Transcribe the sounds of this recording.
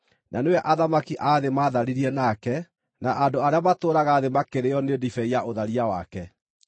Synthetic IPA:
nʔanewɛʔaðamakiʔaðemaːðaɾiɾiɛnakɛ | naʔandoaɾeamatoːɾaɣaːðemakeɾeɔnedifɛiaʔoðaɾiawa̰kɛ

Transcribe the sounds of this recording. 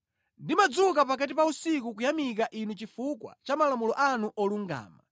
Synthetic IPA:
ndimad͡zuk̬apakat̬ipausik̬ukujamik̬aʔinut͡ʃifukwa̰t͡ʃamalamulɔʔanuʔɔluŋɡa̰ːma

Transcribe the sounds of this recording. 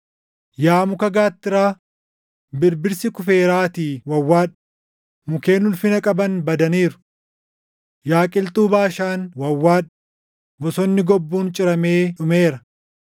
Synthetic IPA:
jaːmʊkɐɡaːt̪ːɪɾaː | bɪɾbɪɾsɪkʊfe̞ːɾaːt̪iːwɐwːaːᶑɐ̥ | mʊke̞ːnʊlfɪnɐkʼɐbɐnbɐd̪ɐniːɾʊ̥ | jaːkʼɪlt̪ʼuːbaːʃaːnwɐwːaːᶑɐ̥ | wɔsɔnːɪɡɔbːuːnt͡ʃʼɪɾɐme̞ːᶑʊmeːɾɐ

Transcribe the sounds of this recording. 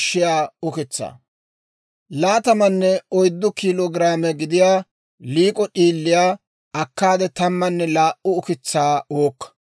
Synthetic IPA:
ʃːɪjaːʊkɪt͡sːa̰ː | laːt̪ɐmɐnːɛɔjd̪ːʊkiːloːɡɪɾaːmɛɡɪd̪ɪjaː | liːkʼɔɗiːlːɪjaː | ɐkːaːd̪ɛt̪ɐmːɐnːɛlaːʔʊʊkɪt͡sːaːoːkːɐ̥

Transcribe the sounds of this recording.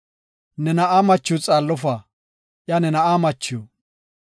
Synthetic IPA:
nɛnɐʔaːmɐt͡ʃːʊt͡sʼaːlːɔfaː | ʔjanɛnɐʔaːmɐt͡ʃːɪjo

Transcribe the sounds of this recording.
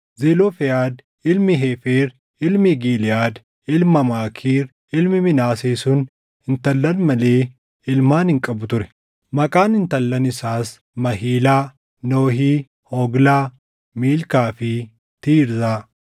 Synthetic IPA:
zeːloːfɛjaːd̪ | ɪlmɪɦeːfeːɾ | ɪlmɪɡiːlɪjaːd̪ | ɪlmɐmaːkʰiːɾ | ɪlmɪmɪnaːseːsʊn | hɪnt̪ɐlːɐnmɐle̞ː | ɪlmaːnhɪŋkʼɐbʊt̪ʊɾɛ̥ | mɐkʼaːnɪnt̪ɐlːɐnɪsaːs | mɐɦiːlaː | noːɦiː | hɔːɡlaː | miːlkaːfɪ | t̪iːɾzaː

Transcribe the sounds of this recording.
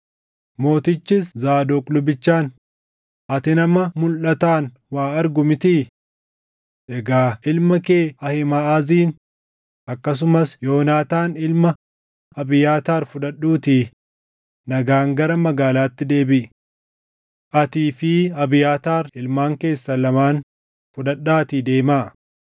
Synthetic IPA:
mo̞ːt̪ɪt͡ʃːɪszaːd̪oːkʼlʊbɪt͡ʃːaːn | ʔɐt̪ɪnɐmɐmʊlʔɐt̪aːn | waːɐɾɡʊmɪt̪i | ʔɛɡaːɪlmɐkeːɐhɪmaːziːn | ʔɐkːɐs̬ʊmɐsjoːnaːt̪aːnɪlmɐ | ɐbɪjaːt̪aːɾfʊᶑɐɗːuːt̪ɪ | nɐɡaːŋɡɐɾɐmɐɡaːlaːt̪ːɪd̪e̞ːbɪʔ | ʔɐt̪iːfɪɐbɪjaːt̪aːɾɪlmaːŋke̞ːsːɐlɐmaːn | fʊᶑɐᶑaːt̪ɪd̪e̞ːmaː

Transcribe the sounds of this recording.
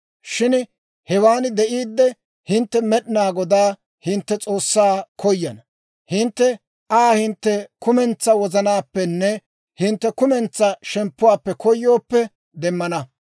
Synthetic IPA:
ʃɪn | hɛwaːnd̪ɛʔiːd̪ːɛ | hɪnt̪ːɛmɛɗɪnaːɡɔd̪aː | hɪnt̪ːɛt͡sʼo̞ːsːaːkʰɔjːɐnɐ | hɪnt̪ːɛ | ʔaːhɪnt̪ːɛkʊmɛnt͡sːɐwɔzɐnaːpːɛnːɛ | hɪnt̪ːɛkʊmɛnt͡sːɐʃɛmpːʊwaːpːɛkɔjːo̞ːpːɛ | d̪ɛmːɐnɐ

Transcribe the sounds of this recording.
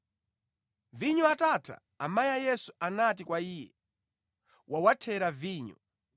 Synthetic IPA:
viɲɔatatʰa̰ːmajajɛsuʔanat̬ikwaiːjɛ̰ | wawatʰɛɾaviːɲɔ̰

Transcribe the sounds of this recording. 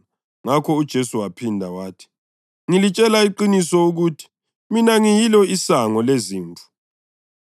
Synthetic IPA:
ŋakʰɔud̥ʒ̥ʱesuwapʰindʱawaːtʰi̥ | ŋilit͡ʃʼɛlaiǃinisɔuɣutʰi̥ | minaŋijilɔisaŋɔleziːnt͡fʰu̥

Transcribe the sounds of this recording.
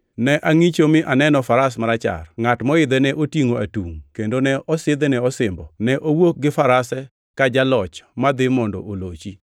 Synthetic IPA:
nɛʔaŋit͡ʃomɪʔanɛnɔfaɾas̬maɾat͡ʃa̰rŋatmɔɪd̪ɛnɛʔotiŋoatuŋkendonɛʔɔsɪd̪ɛnɛɔsɪmbɔnɛʔowok̚ɡɪfaɾasɛ | kad͡ʒalɔt͡ʃmad̪ɪmɔndɔ̰ʔolot͡ʃi

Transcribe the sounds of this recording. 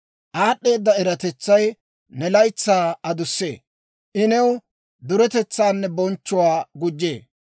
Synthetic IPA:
ʔaːɗːe̞ːd̪ːɐɛɾɐt̪ɛt͡sːɐj | nɛlɐjt͡sːaːɐd̪ʊsːḛː | ʔɪnɛw | d̪ʊɾɛt̪ɛt͡sːaːnːɛbɔnt͡ʃːʊwaːɡʊd͡ʒːḛː

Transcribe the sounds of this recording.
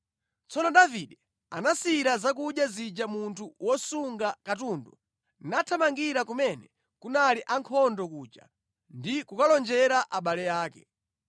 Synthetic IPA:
t͡sɔnɔɗaviɗɛ | a̰nasiɾazak̬uɗjazid͡ʒamuntʰuwɔsuŋɡakatundɔ | natʰamaŋɡiɾakumɛnɛ | kunaliʔaŋkʰɔndɔkuːt͡ʃa̰ | ndikukalɔnd͡ʒɛɾaʔaɓalɛjaːkɛ

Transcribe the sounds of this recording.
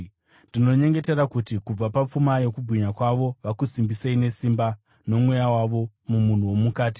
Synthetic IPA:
ndino̞ɲe̞ŋɡe̞te̞ɾakutikub͡vapap͡fumaje̞kubʱwiɲakwaʋo̞ʋakusimbiseine̞simba | no̞mwe̞jawaʋo̞ | mumun̤uwo̞mukaːti̥

